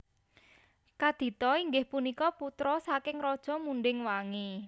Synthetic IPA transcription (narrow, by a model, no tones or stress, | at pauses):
kad̪̥i̤t̪ɔiŋɡɪhpunikɔput̪ɾɔsakɪŋɾɔd̥ʒ̥ɔ̤muɳɖɪŋwaŋe